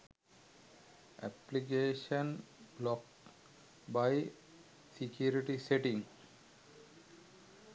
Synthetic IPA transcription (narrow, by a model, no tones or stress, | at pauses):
ʔæ̰plik̬eːʃə̃nblɔk | baɪ | sikjuːɾiʈiseʈĩŋ